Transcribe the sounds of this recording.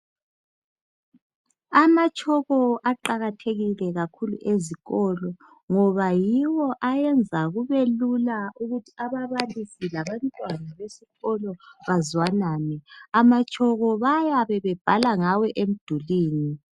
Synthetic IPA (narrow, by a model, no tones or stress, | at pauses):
amat͡ʃʼʰɔɣɔʔaǃaɣatʰeɣilɛɣakʰulṵʔeziɣɔlɔ | ŋɔβajiwɔʔajɛnd͡zʱaɣuβelulauɣutʰi̥aβaβalisilaβantʼwanaβesiɣɔlɔβazwanaːnɛamat͡ʃʰʼɔɣɔβajaβɛβɛb̥ʱalaŋawɛʔem̩d̥ʱuliːni